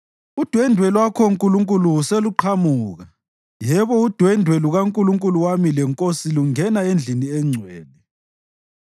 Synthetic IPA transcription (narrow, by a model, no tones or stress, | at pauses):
ud̥ʱwɛndʱwɛlwakʰɔŋkʼuluŋkʼuluuseluǃʰamuːɣa | jɛβɔud̥ʱwɛndʱwɛluɣaŋkʼuluŋkʼuluwamilɛŋkʼosiluŋɛnaend͡ɮʱiniɛŋ͡ǀʱwɛːnɛ